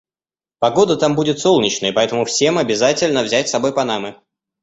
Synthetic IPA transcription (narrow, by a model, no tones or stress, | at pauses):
pɐɡo̞d̪ət̪ambudʲɪt̪so̞lˠnʲɪt͡ɕnəjəpɐɛt̪əmʊfsʲemɐbʲɪzatʲɪlʲnəvzʲætʲsɐbo̞jpɐnamɨ